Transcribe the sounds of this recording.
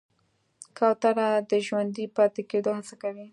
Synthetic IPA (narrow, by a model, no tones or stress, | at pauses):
kawt̪aɾad̪əʒwand̪ipɑt̪eked̪ohasakawi